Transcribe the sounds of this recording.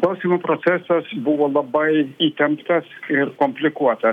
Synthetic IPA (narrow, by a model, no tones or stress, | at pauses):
klˠɐʊsʲiːmopɾot̪sʲæsɐsbʊʋoːlˠɐbɐɪiːt̪ʲɛmpt̪ɐsɪɾkomʲpʲlʲɪkuɔt̪ɐ